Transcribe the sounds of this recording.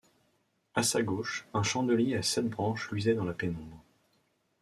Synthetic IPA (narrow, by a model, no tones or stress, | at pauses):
asaɡoʃɛ̃ʃɑ̃d̪əljiasɛt̪̚bʁɑ̃ʃlɥizɛd̪ɑ̃lapenɔ̃bʁ